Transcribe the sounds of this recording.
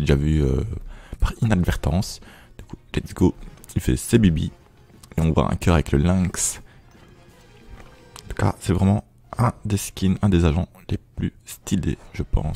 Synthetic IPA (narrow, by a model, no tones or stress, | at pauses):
d̪eʒavyøpaʁinad̪vɛʁt̪ɑ̃s | d̪̥ykulɛt̪sɡoilfɛ̰sebibḭ | eɔ̃vwa̰ʔɛ̰̃kʲœʁavɛkləlɛ̃ks | ɑ̃t̪u̥ka̰sɛvʁɛmɑ̃ | ɛ̃d̪eskʲʰinɛ̃d̪ezaʒɑ̃ | leplyst̪ʰilḛʒəpɑ̰̃s